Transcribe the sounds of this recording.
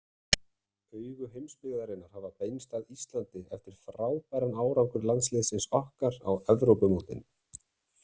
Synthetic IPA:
œːɥɣʏɦejmspɪɣðaɾɪnːaɾ̥havapeːjnst̪aðist̪lant̪ɪɛft̪ɪɾ̥fɾaːwpɛjɾanaːwɾawŋkʏɾlant̪slɪðsɪnsɔhkaɾa̰wɛvɾowpʏmowt̪ɪ̰n

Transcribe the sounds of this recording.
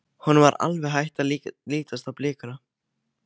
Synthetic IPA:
hɔnvaɾa̰lvɛɦajht̪aliːt̪ast̪aplɪːkʏna

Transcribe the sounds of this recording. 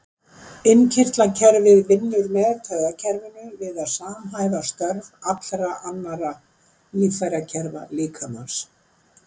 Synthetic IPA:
ɪncʰɪr̥t̪lacʰɛɾvɪðvɪnːʏɾmɛːðt̪ʰɛɣðacʰɛɾvɪnʏvɪðaðsaːmɦaːjvast̪œɾvat̪lɾaʔanːaɾa | liːfajɾacʰɛɾva̰liːkʰama̰ns

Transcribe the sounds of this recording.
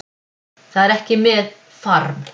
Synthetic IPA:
θaðɛɾɛhcɪmɛð | faɾm

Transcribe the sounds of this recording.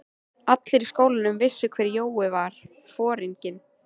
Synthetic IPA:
at̪lɪɾiskoːwlɪnʏmvɪsːʏkʰv̥ɛːɾjoːwɪvaɾ̥ | fɔːɾiɲcɪn

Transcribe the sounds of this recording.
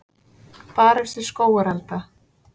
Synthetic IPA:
paːɾɛɾ̥sɪskoːwaɾalt̪a

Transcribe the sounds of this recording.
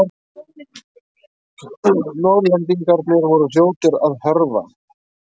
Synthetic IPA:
nɔɾðlɛnt̪iŋkaɾnɪɾvɔɾʏsjoːwt̪ɪɾaðhœɾva̰

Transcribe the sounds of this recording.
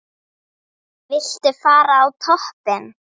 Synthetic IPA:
vɪl̥t̪ɪfaːɾaːwt̪ʰɔhpɪn

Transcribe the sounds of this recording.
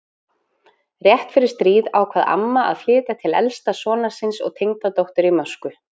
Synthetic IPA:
rjɛht̪fɪɾɪɾ̥st̪ɾiːðawkʰvaːða̰mːaʔa̰ðfjɪːt̪at̪ʰɪlɛ̰lst̪asɔːnḁsɪnsɔ̰ɣt̪ʰejŋt̪at̪owht̪ʏɾimœ̥skʏ

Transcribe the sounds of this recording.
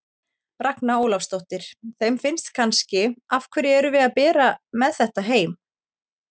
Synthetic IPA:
raknaoːwlafst̪owht̪ɪɾ̥θejmfɪnst̪kʰanscɪafkʰvɛɾjɛɛɾʏvɪðaðpɛːɾamɛðθɛht̪aɦeːjm

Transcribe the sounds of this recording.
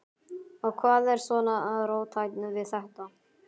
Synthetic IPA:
ɔɣkʰvaːðɛɾ̥svɔːnaaðɾoːwt̪ʰajt̪nʏvɪðθaht̪an

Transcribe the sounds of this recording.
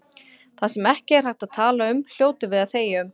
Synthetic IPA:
θasɛmɛhcɪɛr̥ajht̪aðt̪ʰaːlaʏml̥joːwt̪ɪvɪðaðθeːjʏm

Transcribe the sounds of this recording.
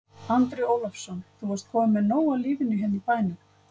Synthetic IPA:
ant̪ɾɪoːwlafsɔnθuvɔɾst̪̚kʰɔːmʏmːɛnoːwaliːvɪnːʏɦɛnːipaːjnʏ

